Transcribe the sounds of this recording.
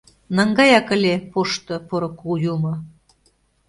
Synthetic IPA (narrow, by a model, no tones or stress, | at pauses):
nəŋɡɑjɑkə̆lʲepoʃt̪ɤ̆poɾŏkujumɤ̆